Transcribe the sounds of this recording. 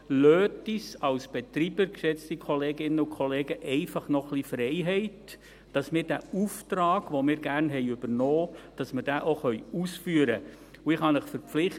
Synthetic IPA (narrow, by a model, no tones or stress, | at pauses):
løːtisɑwsb̥ɛtɾiːbəɾkʃɛt͡stikʰχɔleːɡɪnəukʰɔleːɡəʔɛɪfɑχnɔχlifrɛɪɦɛɪt | d̥ɑsmɪːɾd̥æːuftɾɑːɡ̥ʋomɪːɾɡ̥ærnɦɛɪʏbəɾnoːd̥ɑsməɾd̥æːʔoχœʏusfyːəɾə | uɪχhɑnəχfəɾp͡flɪχ